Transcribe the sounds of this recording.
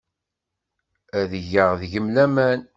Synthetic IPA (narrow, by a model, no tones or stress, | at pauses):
æðəʝəʁðʝəmlæmæn